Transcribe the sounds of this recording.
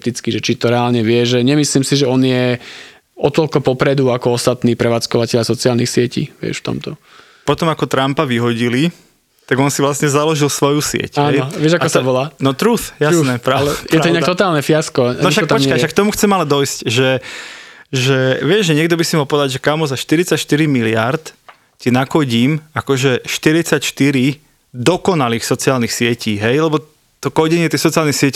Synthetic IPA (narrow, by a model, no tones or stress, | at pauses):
t̪it͡skiʒɛt͡ʃit̪ɔɾɛaːlɲɛʋɪɛʒɛɲɛmisliːmsiʒɛɔnjɛ | ɔt̪ɔlkɔpɔpɾɛd̪uakɔɔst̪at̪niːpɾɛʋaːt͡skɔʋacɛʎasɔt͡siaːlnixsɪɛcḭːʋɪɛ̰ʃft̪ɔ̰mt̪ɔ | pɔt̪ɔmakɔt̪ɾampaʋiɦɔɟili | t̪aɡɔnsiʋlasɲɛzalɔʒilsʋɔjusɪɛ̰caɛjʋɪɛʒakkɔsaʋɔlaːnɔt̪ɾusjasnɛpɾajɛɾaɔɲɛakt̪ɔt̪aːlˠnɛfɪjaskɔnɔʃak̪̚pɔt͡ʃkajʃakt̪ɔmuxt͡sɛmalɛd̪ɔjscʒɛ | ʒɛʋɪɛʒʒɛɲɛɡd̪ɔbisimalpɔʋɛd̪aɟʒɛkamɔzaʃt̪iɾit͡sacʃt̪iɾimilɪa̰ɾt̪ | cinakɔɟiːmakɔʒɛʃt̪iɾit͡sacʃt̪iɾi | d̪ɔkɔnaliːxsɔt͡siaːlnixsɪɛciːɦɛjlɛbɔ | t̪ɔkɔɟɛɲɪɛt̪ixsɔt͡sialnixsɪɛc